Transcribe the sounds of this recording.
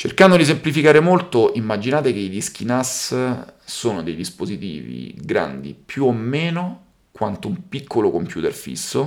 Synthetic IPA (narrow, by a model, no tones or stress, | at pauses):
t͡ʃerkand̪od̪is̬emplifikaːɾemolt̪oʔimːad͡ʒinaːt̪ekeid̪isk̟inas | soːnod̪ejd̪ispozit̪ḭːvḭɡɾa̰nd̪ḭpjuomːeːno | kwant̪oumpikʰːolokompjuːt̪erfḭsːo